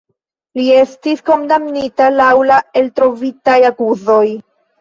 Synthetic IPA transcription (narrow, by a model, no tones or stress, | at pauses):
lie̞stisko̞mdamnitalawlae̞ltɾo̞vitajakuzo̞j